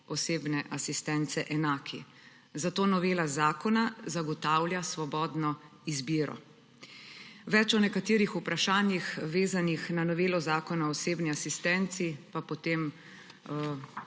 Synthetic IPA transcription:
ɔseːbnɛʔasist̪ɛnt̪sɛʔɛnaːkʰi | zat̪oːnɔʋeːlazaːkɔnazaɡɔt̪awljasʋɔbɔːd̪nɔ | izbiːɾɔ̰ | ʋɛt͡ʃɔnɛkat̪iːɾixupɾaʃaːnjixʋeːzanixnanɔʋeːlɔzaːkɔnaɔɔseːbniasist̪ɛnt̪sipapɔt̪em

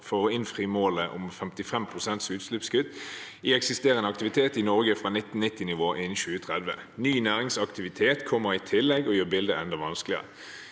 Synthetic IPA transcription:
foːʁəɪnfʁiːmoːləʔʊ̰mfɛmt̪ɪfɛmpʰʁʊsɛnt̪sʉːt̪slʉpskʏd̪ | iːɛksɪst̪eːʁənɑkt̪ɪʋɪt̪ʰeːt̪ɪnɔʁɡəfʁɑːnɪt̪ːn̩nɪt̪ːɪnɪʋoːʔɪnʃʉːət̪ʰʁɛd̪ʋə̰ | nyːnæːʁɪŋsɑkt̪ɪʋɪt̪ʰeːt̪kʰɔmːəʁɪt̪ʰɪlːɛɡɔjøːʁbɪld̪əɛnd̪ɑʋɑnsklɪə̰ə

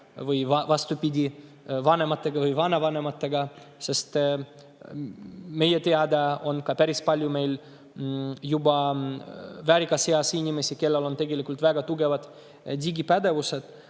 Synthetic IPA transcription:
vɯjvɑvɑst̪upid̪ʲi | vɑne̞mɑt̪ːˑe̞ɡ̥ɑvɯjvɑnɑvɑne̞mɑt̪ːˑe̞ɡɑ | se̞st̪ | me̞jet̪eɑd̪ɑo̞nkɑpæɾispɑlʲjume̞jl | jubɑ | væɾʲikːˑɑseɑsinʲime̞sike̞lːelo̞nt̪e̞ɡe̞likˑult̪væɡ̥ɑt̪uɡe̞vɑd̪̥ | d̪ʲiɡipæd̪e̞vuse̞d̪̥

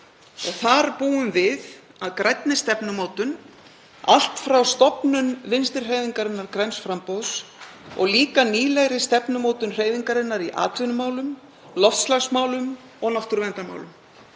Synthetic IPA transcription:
ɔɣθaɾpuːʏmvɪð | aðkɾajt̪nɪst̪ɛpnʏmoːwt̪ʏn | a̰l̥t̪fɾawst̪ɔpnʏnvɪnst̪ɪɾ̥reːjðiŋkaɾɪnːaɾkɾɛjnsfɾampowðsɔ̰ɣliːkaniːlɛɣɾɪst̪ɛpnʏmoːwt̪ʏnr̥eːjðiŋkaɾɪnːaɾiʔa̰ːt̪vɪnʏmaːwlʏm | lɔft̪slaɣsmaːwlʏm | ɔɣnaft̪ʏɾvɛnt̪ama̰ːwlʏm

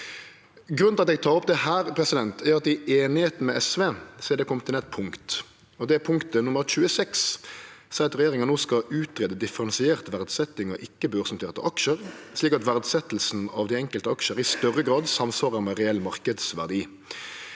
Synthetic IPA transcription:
ɡɾʉnlɑt̪ɛɡ̚t̪ʰɑːʁɔp̚d̪ɛhæːɾpʰɾɛsɪd̪ɛnt̪ʰæɾɑt̪ɪeːnɪheːt̪n̩mɛʔɛsʋeːseːd̪ɛkʰɔmt̪ʰɪlɛt̪̚pʰʊŋkt̪ | ɔd̪ɛpʰʊŋkt̪ənʊməɾt͡ʃʉːəsɛkssɛɪɑt̪ʁɛjeːɾɪŋənnoːskɑʉːt̪ɾeːd̪əd̪ɪfəʁɑnsɪeːʁt̪ʋæʁd̪sɛt̪ːɪŋɔ̰ʔɪkːəbøːʁsɑmt̪ʰeːʁt̪ə̰ʔɑkʃəɾsliːkɑt̪ʋæʁd̪sɛt̪l̩sn̩ɑʋd̪ɪɛŋkəlt̪əɑkʃəɾɪst̪œʁəɡʁɑːd̪sɑmsʋɑːʁəɾmɛʁɛɛlːmɑʁkəd̪sʋæ̰ʁd̪iː

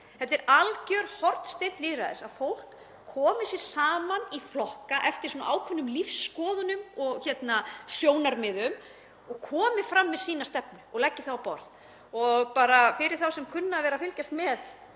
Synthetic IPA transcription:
hɛt̪ːɛɾalcœɾ̥hɔɾt̪st̪ejn̥t̪liːðɾa̰ðɪ̰saðfowl̥kʰː | ɔːmɪsjɛɾ̥saːmaniflɔhkaʔɛft̪ɪɾ̥sɔːnaʔaːwkʰvœnːʏmlifsːkɔːðʏnʏmɔɣçɛt̪nasjoːwnaɾmɪðʏm | ɔɣkʰɔːmɪfɾamːɛðsiːnast̪ɛpnʏɔɣlɛcːɪθawapɔ̰ɾð | ɔɣpaːɾafɪɾɪɾ̥θawsɛmkʰʏnːavɛːɾafɪlcast̪mɛð

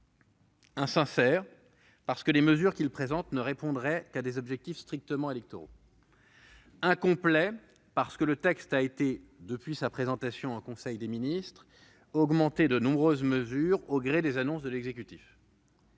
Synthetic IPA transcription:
ɛ̃sɛ̃sɛːʁ | paʁsə̥kəleməzyʁkʲilpχezɑ̃t̪nəʁepɔ̃d̪ʁɛkad̪ezɔbʒɛk̚t̪ifst̪χik̚t̪əmɑ̃elɛk̚t̪ɔʁo̰ | ɛ̃kɔ̃plɛ | paʁsə̥kələt̪ɛkst̪aet̪ed̪əpɥisapχezɑ̃t̪asjɔ̃ɑ̃kɔ̃sɛjd̪eminist̪χ | ɔɡmɑ̃t̪ed̪ənɔ̃bʁøzməzyʁoɡʁed̪ezanɔ̃s̬d̪əlɛɡzekʲyt̪if

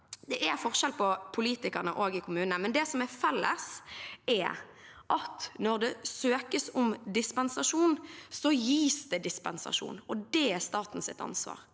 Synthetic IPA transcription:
d̪ɛʔæɾfɔʁʂɛlpʰɔpʰʊliːt̪ɪkəʁnəʔoːɡɪkʰʊmʉːnəmɛnd̪ɛsɔmɛɾfɛlːə̰sʔɛ | ʔɑt̪nɔʁd̪ɛsøːkəsɔmd̪ɪspɛnsɑʂuːnsɔjiːsd̪ɛd̪ɪspɛnsɑ̰ʂṵːnɔd̪ɛɛʁst̪ɑːt̪n̩sɪ̰t̪ɑ̰nsʋɑ̰ːʁ

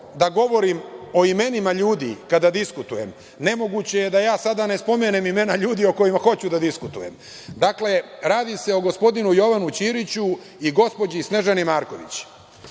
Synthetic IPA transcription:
d̪aɡo̞ʋo̞ɾimo̞ime̞nimaʎuːd̪ḭkad̪ad̪iskut̪ujem | ne̞mo̞ɡut͡ɕe̞je̞d̪ajaːsad̪ane̞spo̞menemime̞naʎuːd̪io̞ko̞jimaxo̞t͡ɕud̪ad̪iskut̪ujem | d̪akle̞ɾaːd̪ise̞o̞ɡo̞spo̞d̪inujo̞ʋanut͡ɕiːɾit͡ɕu | iɡo̞spo̞d͡ʑisne̞ʒanimaːɾko̞ʋḭt͡ɕ

